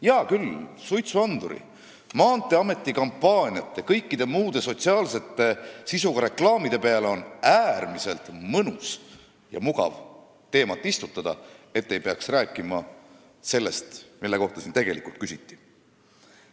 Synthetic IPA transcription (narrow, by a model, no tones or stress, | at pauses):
jɑːkylsujt̪suɑnd̪̥uɾḭ | mɑːnt̪ːˑe̞ɑme̞t̪ːˑikɑmpːɑːnʲiɑt̪ːe̞kɤjkːid̪̥e̞muːd̪̥e̞so̞t̪ʲsiɑːlse̞t̪ːˑe̞sisuɡ̥ɑɾe̞klɑːmid̪̥e̞pe̞ɑle̞o̞næːrmise̞lt̪mɤnus | jɑ̰muɡ̥ɑ̰v | t̪e̞ːmɑt̪ːˑist̪ut̪ːˑɑd̪̥ɑ̰e̞t̪ːe̞jpe̞ɑksræːkˑːimɑ | se̞lːe̞st̪milːe̞ko̞ht̪ɑsint̪e̞ɡ̥e̞likult̪kysit̪ːˑi̥